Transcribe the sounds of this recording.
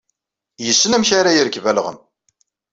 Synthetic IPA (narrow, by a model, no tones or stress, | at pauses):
jəsːənæmçaɾajiɾəkvælʁə̰m